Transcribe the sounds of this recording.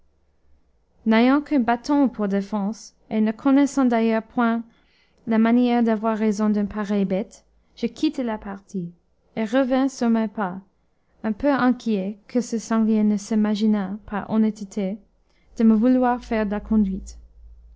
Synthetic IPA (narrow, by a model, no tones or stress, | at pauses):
nejɑ̃kʰɛ̃bat̪ɔ̃pʰuʁd̪efɑ̃s | enəkʰɔnɛsɑ̃d̪ajœʁpwɛ̃ | lamanjɛʁd̪avwaʁːɛzɔ̃d̪ɛ̃npʰaʁɛjbɛt̪ | ʒ̥əkʰit̪elapaʁt̪ʰi | eʁəvɛ̃syʁmɛpa | ɛ̃pøɛ̃kʰjɛkʰəsəsɑ̃ɡljɛnəsimaʒinapʰaʔɔnɛt̪it̪ʰe | d̪̥əməvulwaʁfɛʁd̪əlakʰɔ̃d̪ɥit̪